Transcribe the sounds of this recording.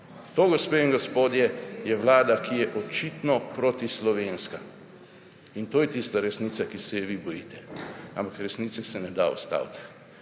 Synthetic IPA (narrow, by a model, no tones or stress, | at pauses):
t̪oːɡospeinɡospoːd̪jɛjɛʋlaːd̪akijɛʔɔt͡ʃit̪nɔpɾot̪islɔʋenska | int̪oːjɛt̪ist̪aɾɛsnit̪sakisɛjɛʋibɔjiːt̪ɛampakɾɛsnit̪sɛsɛnɛd̪a̰ɔ̰st̪a̰ːwt̪